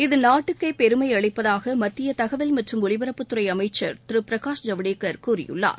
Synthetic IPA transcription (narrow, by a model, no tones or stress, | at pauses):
ɪðɯnaːʈːɯkːɐɪpɛɾɯmɐɪɐɭɐɪpːɐðaːɣɐmɐt̪ːɪjɐt̪ɐɣɐʋɪlmɐʈrɯmʊɭɪʋɐɾɐpːɯt̪ːɯɾɐɪɐmɐɪt͡ʃːɐɾt̪ɪɾɯpɪɾɐkaːʂd͡ʒɐʋɐɽeːkːɐɾkuːrɪ̰jɯ̰ɭːa̰ːɾ